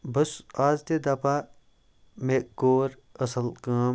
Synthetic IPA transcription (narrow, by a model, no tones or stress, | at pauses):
bɐsaːzt̪ed̪ɐːpaː | mek̚ɡoːɾ | ɐsɐlkaːm